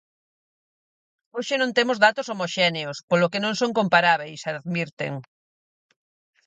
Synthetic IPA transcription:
oʃenõnt̪emozðat̪osomoʃɛneospolokenõŋsõŋkõmpaɾaβ̞ejsaðmiɾt̪ḛŋ

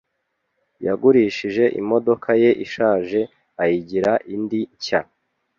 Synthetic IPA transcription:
jaɡuɾiːʃiʒe̞ʔḭmo̞do̞kʰaje̞ʔiʃaːʒe̞ | ajiɟiɾaʔindica

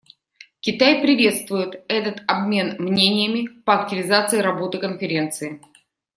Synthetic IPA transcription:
kʲɪt̪ajpɾʲɪvʲe̞t̪st̪vʊjɪt̪ɛt̪ət̪ɐbmʲe̞nmnʲenʲɪjəmʲɪpəɐk̚tʲɪvʲɪzat̪sɨɪɾɐbo̞t̪ɨkənfʲɪɾʲe̞nt̪sɨɪ

